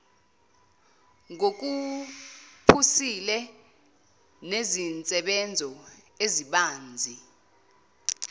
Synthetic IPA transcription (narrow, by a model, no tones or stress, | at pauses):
ŋok̬u | pʰusilɛ | nezint͡sʼɛɓɛnd͡zʱɔ | eziɓaːnd͡zʱi